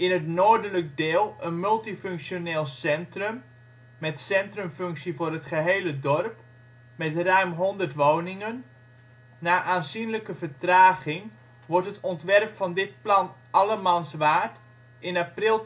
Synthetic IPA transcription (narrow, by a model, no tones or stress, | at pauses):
ɪnətnoːdələk̚deːlˠənmɵlˠtifɵŋksjoneːlˠsɛntrəmː | ɛtsɛntrəmfɵŋksivʊːrətχəɦejlədɔrp | mɛtrœɥmɦɔndərtʋownɪŋənː | aːʔaːnzinləkəvəɹtraːɣɪŋ | ʋɔrtətɔntʋɛrpfɑndɪt̚plɑn | ʔɑlˠəmansʋaːt | ɪnaprɪlˠ